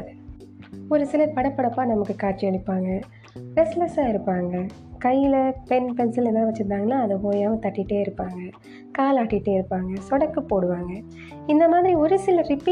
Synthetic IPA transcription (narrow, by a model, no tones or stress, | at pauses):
ðɯ | ɔɾɯsɪlɐpɐɽɐpːɐɽɐpːaːnɐmɐkːɯkaːʈ̚t͡ʃɪɐɳɪpːaːŋɡɐ | ɾɛslɐsaːɪɾɯpːaːŋɡɐ | kɐjːɪlɐpɛnpɛnsɪlɛnːaːɐʋɐt͡ʃːɯɾɯnaːŋɡɐnːaːɐðɯpoːjaːʋɐ̃t̪ɐʈːɪʈːeːɪɾɯpːaːŋɡɐ | kaːlaːʈːɪʈːeːɪɾɯpːaːŋɡɐsɔɽɐkːɯpːoːɽɯʋaːŋɡɐ | ɪnd̪ɐmaːðɪɾiɔɾɯsɪlɐɾɪpi